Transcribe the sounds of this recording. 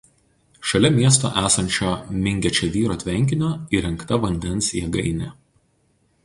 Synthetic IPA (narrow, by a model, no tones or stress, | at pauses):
ʃɐlʲɛmʲiɛst̪o̰ːʔæːsɐnʲt͡ʃʲoːmʲɪŋʲɡʲɛt͡ʃʲɛʋʲiːɾoːt̪ʲʋʲɛŋʲkʲɪnʲoːiɾʲɛŋkt̪ɐʋɐnʲd̪ʲɛnˑsjɛɡɐɪnʲeː